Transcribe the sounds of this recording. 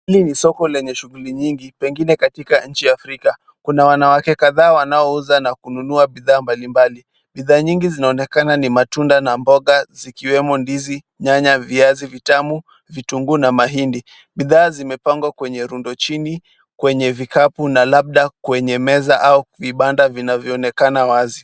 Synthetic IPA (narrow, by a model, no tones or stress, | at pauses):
ilinisɔkɔlɛɲɛʃuɣuliɲiŋɡipɛŋɡinɛkatikaɲ̩t͡ʃijaːfɾika | kunawanawakɛkaðaːwanaɔuzanakununuaɓiðaːmbalimbali | ɓiðaːɲiŋɡizinaɔnɛkananimatundanambɔɠazikiwɛmɔndizi | ɲaɲaviazivitamu | vituŋɡunamaɦindi | ɓiðaːzimɛpaŋɡwakwɛɲɛɾundɔt͡ʃini | kwɛɲɛvikapunalaɓ̚ɗakwɛɲɛmɛzaʔauviɓandavinavjɔːnɛkanawazi